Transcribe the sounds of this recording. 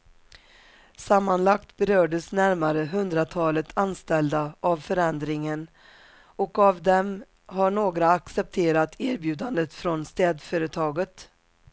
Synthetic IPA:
samːanlak̚t̪bɛɾœːɖəsnæɾmaɾəɦɵnd̪ɾat̪ʰɑːlət̪ʰanst̪ɛld̪aʔavfœɾɛnd̪ɾɪŋən | ɔkavd̪ɛm | ɦaɳoːɡɾaːksɛp̚t̪ʰeːɾat̪ʰæːɾbjʉ̟ːd̪and̪ət̪fɾɔnst̪ɛːd̪fœːɾət̪ʰɑːɡət̪

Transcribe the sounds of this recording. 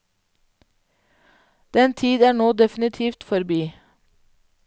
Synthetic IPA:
d̪̥ɛnt̪ʰiːd̪æːɳoːd̪ɛfnɪt̪ʰiːft̪fɔɾbiː

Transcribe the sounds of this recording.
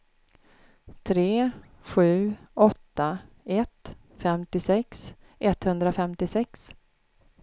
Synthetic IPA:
t̪ʰɾeː | ɧʉ̟ːɔt̪ːa | ɛt̪ | fɛmt̪ɪsɛks | ʔɛt̪hɵnd̪ɾafɛmt̪ɪsɛks

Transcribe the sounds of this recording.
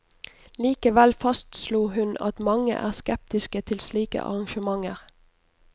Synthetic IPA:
liːkəʋɛlfɑst̪sluːɦʉnɑ̰t̪mɑŋə̰ʔæ̰ːʁskɛp̚t̪ɪskət̪ʰɪlsliːkə̰ʔɑ̰ʁɑŋʃəmɑŋəʁ

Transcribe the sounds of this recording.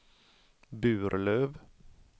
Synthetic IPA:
bʉːɾʔløːʋ

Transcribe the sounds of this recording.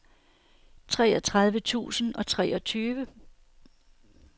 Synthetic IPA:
t͡sʰʁɛːɒt͡sʰʁäð̞ˠʋət͡sʰṵːsn̩ɒ̽t͡sʰʁɛːɒ̽t͡sʰyːʋə

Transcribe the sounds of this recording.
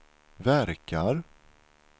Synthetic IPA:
væɾkʰaɾ

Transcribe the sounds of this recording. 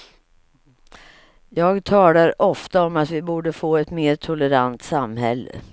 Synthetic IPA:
jɑːɡt̪ʰɑːlaɾʔɔft̪aɔmat̪vɪbuːɖəfoːɛt̪meːt̪ʰʊləɾant̪samhɛlːə̰

